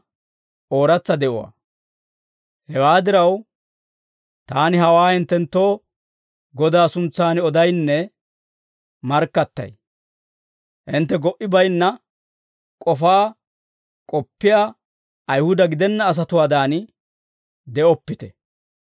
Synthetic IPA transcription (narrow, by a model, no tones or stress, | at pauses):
ʔoːɾɐt͡sːɐd̪ɛʔɔwa̰ː | hɛwaːd̪ɪɾɐw | t̪aːnɪɦɐwaːhɪnt̪ːɛnt̪ːo̞ː | ɡɔd̪aːsʊnt͡sːaːnɪɔd̪ɐjnːɛ | mɐɾkːɐt̪ːɐ̰j | ʔɪnt̪ːɛɡɔʔɪbɐjnːɐ | kʼɔfaː | kʼɔpːɪjaː | ɐjhʊd̪ɐɡɪd̪ɛnːɐːs̬ɐt̪ʊwaːd̪aːn | d̪ɛɔpːɪt̪ɛ